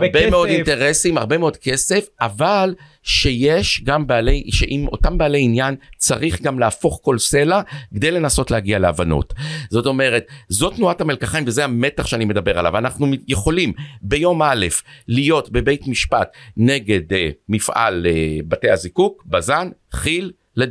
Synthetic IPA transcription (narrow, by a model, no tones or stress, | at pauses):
bemeo̞dinteʁesimaʁbemeo̞dke̞se̞faval | ʃe̞jeʃɡambeleʃeʔimo̞̰tambeːle̞injant͡saʁiχɡamleafo̞χko̞lse̞laɡed̪e̞jle̞naso̞tleaɡialea̰vano̰tzo̞to̞me̞ʁe̞tzo̞tnuathamelkaχaimvezehame̞taχʃeanime̞d̪abe̞ʁala̰vanaχnuje̞χo̞limbe̞jo̞male̞flijo̞tbe̞be̞jtmiʃpatneɡe̞dmifʔa̰lebate̞azikukbazanχilː | e